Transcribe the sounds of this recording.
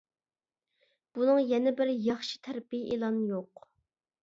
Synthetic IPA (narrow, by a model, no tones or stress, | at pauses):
b̥unɨŋjɛnɪbɪɾjɑχʃi̥t̪ʰæɾpijiʔelˠɑnjoq